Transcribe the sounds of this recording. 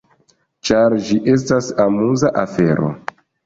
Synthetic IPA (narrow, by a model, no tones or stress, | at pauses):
t͡ʃaɾd͡ʒiʔe̞s̬tasamuzaʔafe̞ɾo̞̰